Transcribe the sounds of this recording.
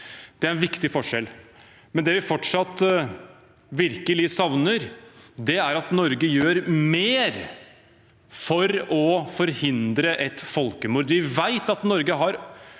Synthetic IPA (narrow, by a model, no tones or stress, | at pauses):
d̪̥ɛæɾɛnʋɪkt̪ɪfɔʂɛl | mɛnd̪ɛːʋɪfɔʈʂɑt̪ː | ʋɪɾkəlɪsɑʋnəɾd̪ɛæɾɑt̪nɔɾɡəjøːɾmeːɾ | fɔɾɔfɔɾhɪnd̪ɾəʔɛt̪fɔlkəmʊɾd̪ʋɪʋæɪt̪ɑt̪nɔɾɡəɦɑɾ